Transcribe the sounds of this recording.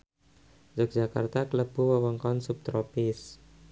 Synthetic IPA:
d͡ʒɔk̚d͡ʒaka̰rt̪akələb̥uwəwəŋkɔnsup̚t̪ɾopɪs

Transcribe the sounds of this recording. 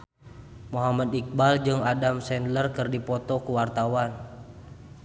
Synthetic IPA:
moɦamadik̚bald͡ʒɨŋadamsɛnlərkɨrdipɔt̪ɔkuwart̪awan

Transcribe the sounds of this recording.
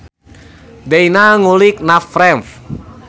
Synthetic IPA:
deinaŋulɪk̚nafɾɛmf

